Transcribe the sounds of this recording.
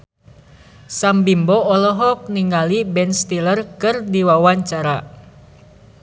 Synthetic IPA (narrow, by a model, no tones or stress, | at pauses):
sambimbɔɔlɔɦɔk̚niŋalibɛnst̪ilərkɨrdiwawaɲt͡ʃaɾa